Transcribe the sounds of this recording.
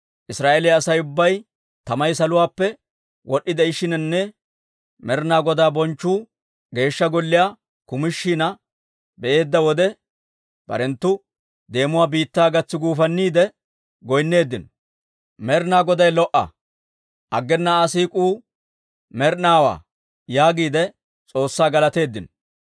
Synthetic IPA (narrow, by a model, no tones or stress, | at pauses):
ʔɪsɾaːʔelɛɐsɐjʊbːɐj | t̪ɐmɐjs̬ɐlʊwaːpːɛ | wɔɗːɪd̪ɛɪʃɪnɛnːɛ | mɛɾnaːɡɔd̪aːbɔnt͡ʃːuː | ɡe̞ːʃːɐɡɔlːɪjaː | kʊmɪʃːinɐ | bɛʔeːd̪ːɐwɔd̪ɛ | b̥ɐ̰ɾɛnt̪ːʊ | d̪e̞ːmʊwaːbiːt̪ːaːɡɐt͡sːɪɡuːfɐnːiːd̪ɛ | ɡɔjnːe̞ːd̪ːɪn | mɛɾnaːɡɔd̪ɐjlɔʔɐ̰ | ʔɐɡːɛnːaːsiːkʼuː | mɛɾnaːwa̰ː | jaːɡiːd̪ɛ | t͡sʼo̞ːsːaːɡɐlɐt̪e̞ːd̪ːɪn